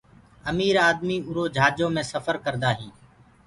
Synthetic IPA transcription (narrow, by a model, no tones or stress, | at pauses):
əmiːɾaːd̪miːʊɾoːd͡ʒʱaːd͡ʒõːmẽːsəfəɾkəɾd̪aːɦĩː